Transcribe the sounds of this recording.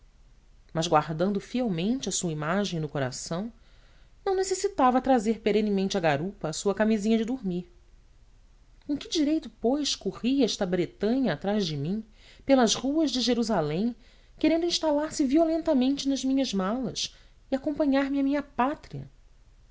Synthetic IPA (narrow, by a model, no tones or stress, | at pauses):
mɐzɡwaɾd̪ɐ̃nd̪ʊfiɛwmẽnt͡ʃɪɐsuɐimaʒẽj̃nʊkoɾa̰sɐ̃w̃ | nɐ̃w̃nesesit̪avɐt̪ɾazeɾpeɾẽnɪmẽnt͡ʃɪɐɡaɾupɐːsuɐkamizĩɲɐd͡ʒɪd̪uɾmiɾ | kõkɪd͡ʒiɾejt̪ʊpojʃkoʁiɛʃt̪ɐbɾet̪ɐ̃ɲɐːt̪ɾazd͡ʒɪmĩ | pelɐzʁuɐzd͡ʒɪʒeɾuzalẽj̃ | keɾẽnd̪ʊĩʃt̪alaɾsɪviolẽnt̪ɐmẽnt͡ʃɪnɐzmĩɲɐzmalɐs | ɪakõmpɐ̃ɲaɾmɪɐmĩɲɐpat̪ɾiɐ̰